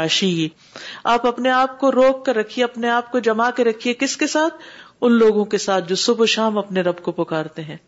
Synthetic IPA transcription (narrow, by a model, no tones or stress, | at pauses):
aːʃijiː | aːpɐpneaːp̚koɾoːkːɐɾːɐkʰieɐpneaːp̚kod͡ʒɐmakeɾɐkʰiekɪskesaːt̪ʰʊnloːɡõkesaːt̪̚ʰd͡ʒoːsʊboʃaːmɐpneɾɐbkopʊkaːɾt̪eɦɛ̃ː